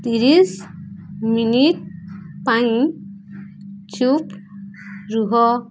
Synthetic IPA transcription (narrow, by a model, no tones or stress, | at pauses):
t̪iɾis | miniʈ̚paj̃ | t͡ʃup | ɾuɦɔ